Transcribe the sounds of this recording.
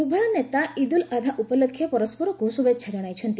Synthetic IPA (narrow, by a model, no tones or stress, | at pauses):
ubʱɔjɔnet̪aʔid̪ulad̪ʱaʔupɔlɔkʰjɔpɔɾɔspɔɾɔkusubetːʃʰad͡ʒɔɽ̃ajt͡ʃʰɔnt̪i